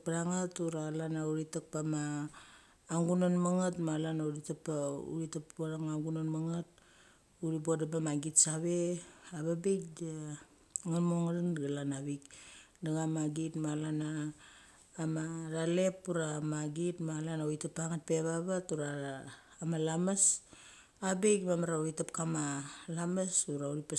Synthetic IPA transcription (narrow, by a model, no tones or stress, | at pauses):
k̚paɾaŋatuɾalanauɾitak̚pamaː | ŋɡunanmaŋatmalanauɾitapaṵɾitaoɾaŋaŋɡunanmaŋat̚ | uɾibodabamaɡitsaβe̞aβabik̚da | ŋanmoŋaɾanɡalanaβikdaɡamaɡitmalanaː | maɾale̞puɾamaɡitmalanauitapaŋat̚pe̞βaβatuɾaɾaː | malamas | abekmamaɾauitapkamalamasuɾauɾipa